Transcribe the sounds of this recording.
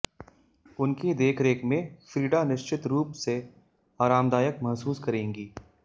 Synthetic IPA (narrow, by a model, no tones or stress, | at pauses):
ʊnkid̪eːkʰɾeːkmẽfɾiːɖanɪʃt͡ʃɪt̪ɾuːpse | aːɾaːmd̪aːjəkmɐɦsuːskɐɾẽːŋɡiː